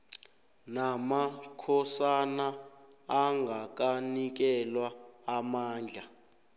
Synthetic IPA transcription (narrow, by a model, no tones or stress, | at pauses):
namakʰɔsanaː | ŋɡʱak̬ʼanik̬ɛlwaːmaːnd͡ɮʱa